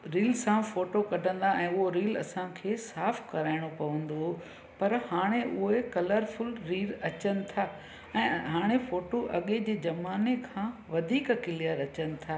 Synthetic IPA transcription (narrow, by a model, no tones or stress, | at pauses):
ɾiːlsãfoːʈokɐɖʱə̃nd̪aɛ̃ːʊɦoɾiːlɐ̰sãkʰeːsaːfkɐɾaːɪɽ̃opɐʋə̃nd̪o | pɐɾhaːɽ̃eʔʊɦekɐləɾfʊlɾiːɾɐt͡ɕənɪ̆t̪ʰaː | ɛ̃ːɦaːɽ̃efoːʈoʔɐɠed͡ʑeːd͡ʑɐmaːnekʰãːʋɐd̪ʱiːkɐkɪljəɾɐt͡ɕənɪ̆t̪ʰaː